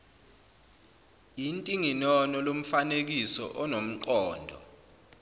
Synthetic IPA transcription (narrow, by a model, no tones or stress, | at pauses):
intʼiŋinɔnɔlom̩fanek̬isɔ̰ʔɔnom̩ǃɔːndʱɔ̰